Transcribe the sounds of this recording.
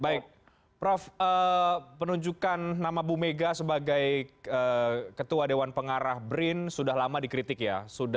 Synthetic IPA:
baɪk̚ | pɾɔfəːpənuɲd͡ʒukanːamabumeɡasəbaɡajəːkət̪uadewanpəŋaɾahbɾɪnsudahlamadikɾit̪ɪkjasuda

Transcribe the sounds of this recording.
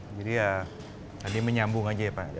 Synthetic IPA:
d͡ʒadija | t̪adiməɲambʊŋad͡ʒapa

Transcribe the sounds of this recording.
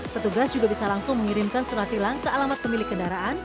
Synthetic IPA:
pət̪uɡasd͡ʒuɡabisalaŋsʊŋməŋiɾɪmkansuɾat̪ilaŋkəalamat̪̚pəmilɪkːəndaɾaʔan

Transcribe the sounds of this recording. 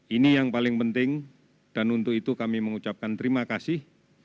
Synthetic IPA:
inijaŋpalɪŋpənt̪ɪŋ | d̥anunt̪ʊkit̪ukamiməŋut͡ʃap̚kant̪əɾimakasɪh

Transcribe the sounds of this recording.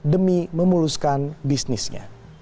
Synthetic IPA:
dəmiməmuɾuskanbisnɪsɲa̰

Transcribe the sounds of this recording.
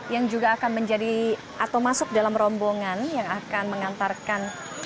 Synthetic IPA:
jaŋd͡ʒuɡaːkanməɲd͡ʒadi | ʔat̪awmasʊk̚dalamrɔmboŋanjaŋakanməŋant̪arkan

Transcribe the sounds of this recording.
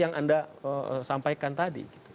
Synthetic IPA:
jaŋʔa̰ndaə̰sampajkant̪adḭɡit̪u̥

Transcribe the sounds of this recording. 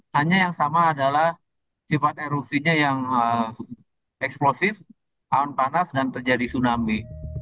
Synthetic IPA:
haɲajaŋsamaːdalah | sifat̪̚eɾup̚siɲajaŋə | ɛksplosɪf | aɔnpanasdant̪ərd͡ʒadisunami

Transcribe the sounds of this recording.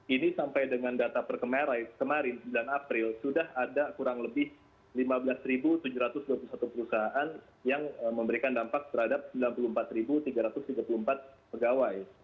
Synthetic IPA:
inisampajdəŋandat̪apərkəmaɾajkəmaɾɪnsəmbilanapɾɪlsudahadakuɾaŋləbɪh | limabəlasɾibut̪ud͡ʒuɾat̪ʊsduapulusat̪upəɾusaɦaʔan | jaŋəməmbəɾikandampak̚t̪ərhadap̚səmbilanpulumpat̪ribut̪iɡaɾat̪ʊst̪iɡapuluəmpat̪̚pəɡawaj

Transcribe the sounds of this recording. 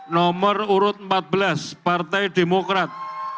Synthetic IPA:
nɔməruɾʊt̪̚mpat̪̚bəlaspart̪ɛjɖemokɾat̪̚

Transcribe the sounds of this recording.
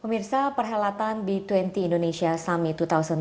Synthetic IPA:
pəmirsapərɦalat̪anbit̪wɛnt̪iːndoneʃiasamit̪ut̪ausən

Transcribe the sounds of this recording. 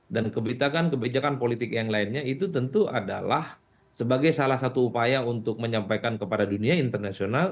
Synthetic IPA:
dankəbit̪akankəbed͡ʒakanpolit̪ɪkjaŋlainɲait̪ut̪ənt̪uʔa̰da̰la̰h | səbaɡajsalahsat̪uːpajaunt̪ʊk̚məɲampajkankəpadaduniaint̪ərnasional

